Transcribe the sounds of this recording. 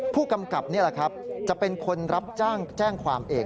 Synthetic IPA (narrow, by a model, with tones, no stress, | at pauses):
pʰuː˥˩ka˧mka˨˩p̚ni˥˩ɐla˨˩kʰɾa˦˥p̚t͡ɕa˨˩pe˧nkʰo˧nɾa˦˥p̚t͡ɕaː˥˩ŋt͡ɕɛː˥˩ŋkʰwaː˧mʔeː˧ŋ